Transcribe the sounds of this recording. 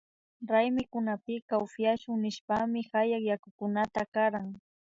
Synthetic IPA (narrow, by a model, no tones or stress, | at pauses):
ɾajmɪkʊnapɪkaʊfjaʃʊŋnɪʃpamɪxajakjakʊkʊnat̪akaɾaŋ